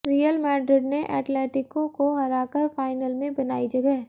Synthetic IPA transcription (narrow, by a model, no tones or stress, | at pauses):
ɾijəlmɛːɖɾɪɖneʔɛ̰ːʈlɛːʈɪkõkoɦɐɾaːkəɾfaːɪnəlmẽbɐnaːid͡ʒɐɡɛɦ